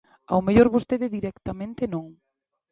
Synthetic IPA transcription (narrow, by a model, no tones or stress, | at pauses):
a̰wmeʎoɾβost̪eðɪðiɾɛkt̪amẽnt̪ɪnõŋ